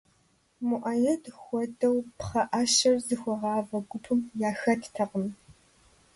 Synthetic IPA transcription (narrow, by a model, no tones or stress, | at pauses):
mʊʔaːjɐdxʷɔdɐwpχɐʔaʃɐrzɨxʷɔʁɑːvɐɡʷʊpʰɨmjaːxɐtʰtʰɐqəm